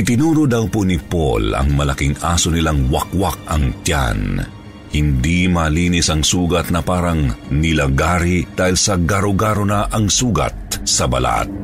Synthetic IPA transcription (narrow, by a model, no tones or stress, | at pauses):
ʔɪt̪ɪnuːɾod̪ɐwponipo̰lɐ̰ŋmɐlɐkiŋaːsonɪlaŋwɐk̚wak̚ɐŋt̪ja̰n | hɪnd̪imɐliːnisɐŋsuːɡɐt̪̚nɐpaːɾɐŋnɪlɐɡaːɾid̪̥aːhɪlsɐɡaɾoɡaːɾonɐʔɐŋsuːɡɐ̰t̪̚sɐbɐ̰la̰t̪̚